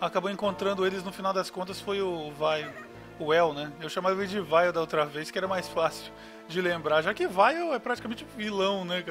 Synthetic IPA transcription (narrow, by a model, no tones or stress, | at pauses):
akaboẽŋkõnt̪ɾɐ̃nd̪ʊelɪznʊfinawd̪ɐskõnt̪̬ɐsfojʊvajʊː | ɛwnɛewʃãmavɪd͡ʒɪvajʊd̪ɐowt̪ɾɐvejskɪɛɾɐmajsfasʊ | d͡ʒɪlẽmbɾaʒakɪvajoɛpɾat͡ʃi̥kamẽnt͡ʃɪvilɐ̃w̃nɛk